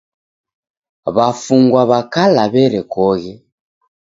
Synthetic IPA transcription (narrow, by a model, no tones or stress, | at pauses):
βafuŋɡwaβakalaβɛɾɛkɔɣɛ